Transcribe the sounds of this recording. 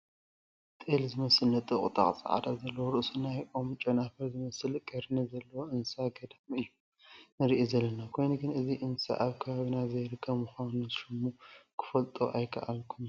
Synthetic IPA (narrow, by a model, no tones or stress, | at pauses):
t̪ʼelzɨmɐsɨlnɐt̪ʼɨχʼɨt̪ʼa̰χʼsʼa̰ʕa̰d̪azɐlːɐwoɾɨʔsunajʔo̞mt͡ʃʼɐnafɐɾzɨmɐsɨlkʼɐɾnizɐlːɐwoʔɨnsaɡɐd̪ɐmɨjːu | nɨɾiʔizɐlːɐnakʰo̞jnɨɡɨnɨziʔɨnsa̰ʔaβkʰɐβaβinazɐjɾɨkʰːɐβmuxanɨzɨʃɨmːukʰɨ̥fɐlt̪ʼo̰ʔajkʰɐ̰ʔalkʰum